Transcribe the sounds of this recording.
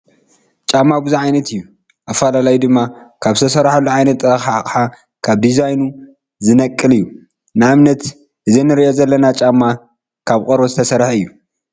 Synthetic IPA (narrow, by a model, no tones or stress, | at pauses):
t͡ʃʼamːabuzaʕajnɐt̪ɨjːu | ʔafɐlalajd̪ɨmːakʰaβzɨt̪ʰɐsɐɾħalːuʕajnɐt̪ːɾɐxaakʼħa | kʰaβd̪izajnu | zɨnɐkʼːɨlɨjːu | nɨʔamnɐt̪ | ʔɨzenːɨɾiʔo̞zɐlːɐnat͡ʃʼamːa | kʰaβkʼoɾβozɨt̪ʰɐsɐɾħɨjːu